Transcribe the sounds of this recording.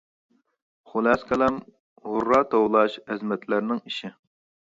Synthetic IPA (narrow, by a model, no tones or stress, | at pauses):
χʊlˠɛskʰʲɛlɛm | ʁʊɾːɑt̪ʰowlˠɑʃɛzmɛt̪ʰlæɾnɪŋiʃɪ